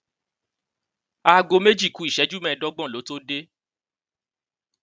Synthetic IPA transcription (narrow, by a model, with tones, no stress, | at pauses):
a˧ɡo˧me˦d͡ʒi˦˨ku˨˦i˦˨ʃɛ˨˦d͡ʒu˦mɛ̃˦˨˧dɔ˦ɡ͡bɔ̃˦˨lo˨˦to˦de˦